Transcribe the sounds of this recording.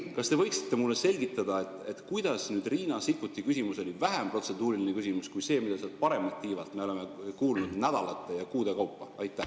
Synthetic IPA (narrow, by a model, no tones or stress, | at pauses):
kɑst̪e̞vɤjksi̥t̪ːˑe̞mulːese̞lʲɡit̪ˑːɑd̪̥ɑe̞t̪ːˑe̞t̪kujd̪̥ɑsnyːd̪riːnɑsikːut̪ˑːikysimuso̞livæɦempro̞t̪se̞d̪uːɾilinekysimuskujse̞ːmid̪̥ɑsiɑd̪̥pɑɾe̞mɑlt̪ːiːvɑlt̪me̞o̞le̞me̞kuːlnud̪næd̪̥ɑlɑt̪ːˑe̞jɑkuːd̪e̞kɑwpːɑɑjt̪ːˑæh